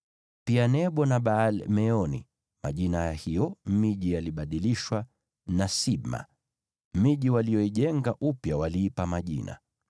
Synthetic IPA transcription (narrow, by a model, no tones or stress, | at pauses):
pianɛɓɔnaɓaːlmɛɔnḭ | ma̰ʄinajahijɔmiʄijaliɓaɗiliʃwa | nasiɓma̰ | miʄiwalijɔiʄɛŋɡaʔupjawaliːpamaʄḭna̰